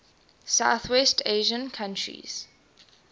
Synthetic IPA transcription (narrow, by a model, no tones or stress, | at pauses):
saʊθwɛstʰeʒə̃nkʰãntʰɹḭz̥